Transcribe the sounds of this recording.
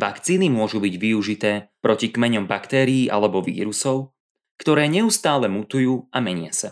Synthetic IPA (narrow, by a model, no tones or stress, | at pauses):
ʋa̰kt͡siːnimʊɔʒubiɟʋiuʒit̪ɛːpɾɔcikmɛɲɔmbakt̪ɛːɾiiːʔalɛbɔʋḭːɾusɔʊ | kt̪ɔɾɛːɲɛust̪aːlɛmut̪ujuːʔamɛɲɪa̰sa